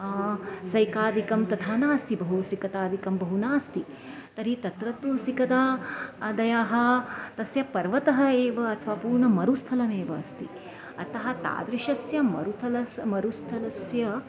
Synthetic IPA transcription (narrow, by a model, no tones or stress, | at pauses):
sɐjkaːd̪ikɐmt̪ɐt̪ʰaːnaːst̪ibɐɦusikɐt̪aːd̪ikɐmbɐɦunaːst̪i | t̪ɐɾit̪ɐt̪ɾɐt̪usikɐt̪aːd̪ɐjaːɦɐ̆t̪ɐsjɐpɐɾʋɐt̪ɐɦɐeːʋɐɐt̪ʰɐʋaːpuːɾɳɐmɐɾust̪ʰɐlɐmeːʋɐːst̪i | ɐ̰t̪ɐɦɐt̪a̰ːd̪ɾiʃɐsjɐmɐ̰ɾut̪ʰɐlɐmɐɾust̪ʰɐlɐsjɐ